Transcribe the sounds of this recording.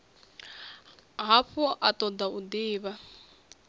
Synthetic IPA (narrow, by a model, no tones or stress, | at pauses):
ɦaɸuʔatɔd̪aud̪iːβa